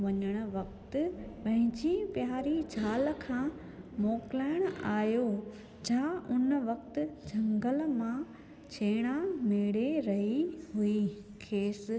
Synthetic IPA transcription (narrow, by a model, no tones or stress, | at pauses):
ʋɐɲəɽ̃ʊ̆ʋɐk̚t̪ɪpɐ̃ɦɪ̃ɲd͡ʑipjaːɾid͡ʑʱaːlkʰãː | mɔːklaːɪɽ̃ʊaːjo | d͡ʑãːʔʊnʋɐkt̪ɪ̆d͡ʑʱɐ̃ŋɡəlmã | t͡ɕʰeːɽ̃amɪɽeɾɐɦiɦui | kʰeːs